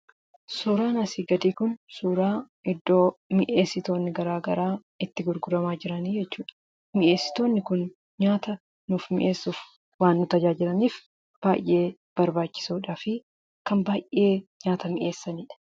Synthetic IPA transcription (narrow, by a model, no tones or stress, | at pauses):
suːɾaːnɐsiːɡɐd̪iːkʊnsuːɾaː | ɪd̪ːoːmɪʔeːsːɪt̪o̞ːnːɪɡɐɾaːɡɐɾaː | ɪt̪ːɪɡʊɾɡʊɾɐmaːd͡ʒɪɾɐniːd͡ʒɛt͡ʃːuːᶑɐ̥ | mɪʔe̞ːsːɪ̥t̪o̞ːnːɪkʊn | ɲaːt̪ɐ | nuːfmɪ̰ʔe̞ːsːuːf | waːnːʊt̪ɐd͡ʒaːd͡ʒɪlɐniːf | b̥aːjʔːe̞ː | b̥ɐɾbaːt͡ʃːɪ̥suːᶑaːfɪ | kɐmbaːjʔe̞ːɲaːt̪ɐmɪʔe̞ːsːɐniːᶑɐ̥